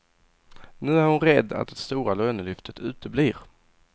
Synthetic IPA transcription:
nʉ̟ːæɾhʊnɾɛd̪ːa̰t̪̚d̪ɛst̪uːɾaløːnəlʏft̪ʰət̪ʰʉ̟ːt̪əbliːɾ

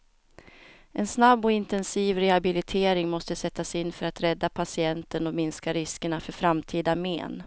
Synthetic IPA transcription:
ʔɛnsnabːɔɪnt̪ɛnsiːvɾɛhabɪlɪt̪ʰeːɾɪŋmɔst̪əsɛt̪ːasɪnːfœɾat̪ɾɛd̪ːapʰasɪɛnt̪ənɔmɪnskaɾɪskəɳafœɾfɾamt̪ʰiːd̪amḛːn

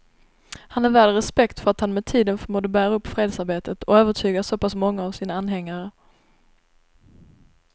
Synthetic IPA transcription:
hanæɾvæːlɾɛspɛkt̪fœɾat̪hanmɛt̪ʰiːd̪ənfœɾmuːd̪əbæːɾaɵpːfɾeːd̪saɾbeːt̪ʰət̪ʰɔøːvəʈʰyːɡaʂoːpasmɔŋːaːvsiːnaanːɦɛŋːaɾə

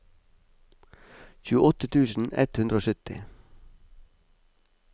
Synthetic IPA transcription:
çʉːəʔɔt̪ət̪ʰʉːsn̩ɛ̰t̪hʉnd̪ɾəoːsʏt̪ɪ̰

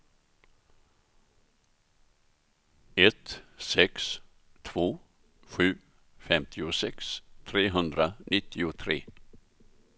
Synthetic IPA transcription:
ɛt̪sɛks | t̪ʰv̥oː | ɧʉ̟ː | fɛmt̪ʰɪʊsɛkst̪ʰɾeːɦɵnd̪ɾanʔɪt̪ʰːɪʊt̪ʰɾḛː

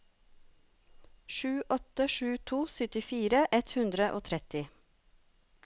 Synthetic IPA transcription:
ʃʉːʔɔt̪əʃʉːt̪ʰuːsʏt̪ɪfiːɾəʔɛt̪hʉnd̪ɾəʔoːt̪ʰɾɛt̪ɪ

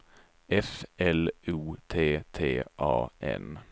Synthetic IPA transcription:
ɛfɛluːt̪ʰeːt̪ʰeːʔɑ̰ːʔɛ̰n

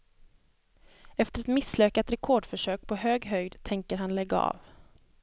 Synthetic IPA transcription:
ɛft̪əɾɛt̪mɪsːløːkat̪ɾɛkʰɔːɖfœʂøːk̚pʰɔɦøːɡɦœjd̪t̪ʰɛŋkəɾɦanlɛɡːaɑ̰ːv

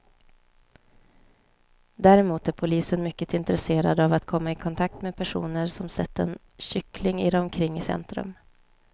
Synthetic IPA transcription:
d̪æɾɛmuːt̪æɾpʰʊliːsənmʏkːət̪ɪnt̪əɾɛseːɾa̰d̪avat̪kʰɔmːaɪkʰɔnt̪ʰak̚t̪meːpʰæʂṵːnəɾsɔmsɛt̪ːəɛn | ɕʏklɪŋɪd̪ɔmkʰɾɪŋːɪsɛ̰nt̪ɾɵ̰m

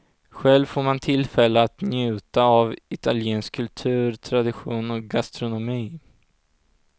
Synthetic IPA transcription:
ɧɛlvfoːɾmant̪ʰɪlfɛlːəat̪njʉ̟ːt̪aavɪt̪ʰaljeːnskʰːɵlt̪ʰʉ̟ːɾt̪ʰɾad̪ɪɧuːnɔk̚ɡast̪ɾʊnʊmiː

